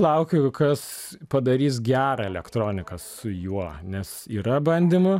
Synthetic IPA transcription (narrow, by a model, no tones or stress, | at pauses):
lˠɐʊkʲʊkɐs | pɐd̪ɐɾʲiːs̬ɡʲæːɾɐɛlʲɛkt̪ɾoːnʲɪkɐsʊjuɔnʲɛsiːɾɐbɐnʲd̪ʲɪmʊ